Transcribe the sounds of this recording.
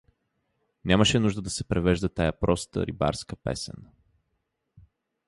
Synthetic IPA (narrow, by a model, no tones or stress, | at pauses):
nʲaməʃɛnuʒd̪əd̪ɐsɛpɾɛvɛʒd̪ət̪ajapɾʔɔst̪ə̰ɾḭba̰ɾskəpɛ̰sɛ̰n